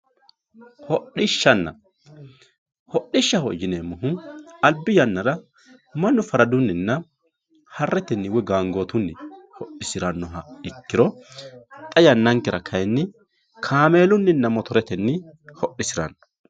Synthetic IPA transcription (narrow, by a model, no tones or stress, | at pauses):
hɔɗɪʃːɐnːɐ̰ | hɔɗɪʃːɐhɔjːɪnemʊɦʊɐlbɪjɐnːɐɾɐ | mɐnːʊfɐɾɐd̪ʊnːɪnːɐ | hɐrːɛt̪ɛnːɪwɔɡaːŋɡoːt̪ʊnːɪhɔʔːɪsɪɾɐnːɔɦɐɪkːɪɾɔ | t̪ʼɐjɐnːɐŋkːɪɾɐkʰɐjnːɪ | kʰaːmeːlʊnːɪnːɐmɔt̪ɔɾɛt̪ɛnːɪ | hɔɗːɪsɪɾɐ̰nːɔ̥